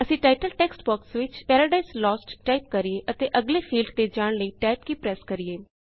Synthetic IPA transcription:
əsĩːʈaːɪʈəlʈɛːksʈbɔːksʋɪt͡ʃpɛːɾəːɖaislɔːsʈʈaːɪp̚kəɾieːʔət̪eːʔəɡleːfʰiːlɖt̪eːd͡ʒaːɽ̃ləiːʈɛːp̚kiːpɾɛːskəɾieː

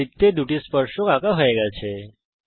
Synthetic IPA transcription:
it̪ːed̪uʈispəɾʃokakaɦoeɡat͡ʃʰe

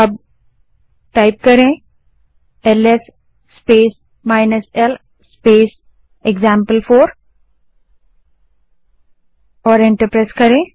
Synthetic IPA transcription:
ɐb̚ | ʈaɪp̚kɐɾẽ | eles | speːs | maːɪnəsel | speːs | eɡzãːmpəlfʰoːɾ | ɔːɾẽɳʈəɾpɾeːskɐɾẽ

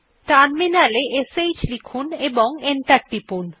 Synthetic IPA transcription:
t̪anminaleʔesejt͡ɕlikʰuneboŋenʈaɾʈipun

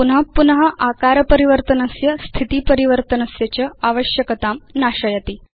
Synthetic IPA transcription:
unɦəpunəɦəʔakaɾəpəɾiʋəɾt̪ənəsjəst̪ʰit̪iːpəɾiʋəɾt̪ənəsjet͡ɕəaʋəɕjəkət̪amnaɕəjət̪iː

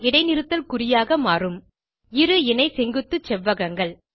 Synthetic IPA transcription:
ɪɽɐɪnɪɾɯt̪ːɐlkʊrɪjaːɣɐmaːrɯm | ɪɾɯɪnɐɪsɛŋɡɯt̪ːɯt͡ʃɛʋːɐɣɐŋɡɐɭ

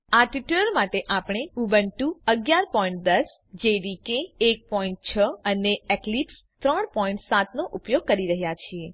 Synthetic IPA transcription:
aʈiʈuləɾmaʈeʔapɳ̃euʋənʈuəɡjaɾpɔĩɳʈ̚d̪əs | d͡ʒeɾikeːk̚pɔiɳʈ̚t͡ʃʰəəneeklips | t̪ɾəɳ̃pɔĩɳʈsat̪noʔupjoɡ̚kəɾiɾəɦjat͡ʃʰie

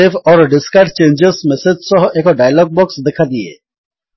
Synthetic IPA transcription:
efɔːɾɖɪskəɾʈt͡ʃẽːnd͡ʒɪzmɛsed͡ʒ̪sɔɦeːkoɖaːjəlɔːɡ̚bɔːksd̪ɪkʰad̪iḛː

